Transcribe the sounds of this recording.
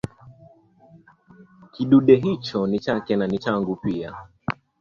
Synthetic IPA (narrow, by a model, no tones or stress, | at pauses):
kiɗuɗɛɦit͡ʃɔnit͡ʃakɛnanit͡ʃaŋɡupia